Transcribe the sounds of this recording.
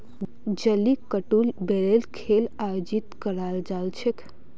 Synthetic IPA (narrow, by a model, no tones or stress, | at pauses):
d͡ʒəlikəʈulbeɾelkʰelajod͡ʒit̪kəɾald͡ʒalt͡ʃʰek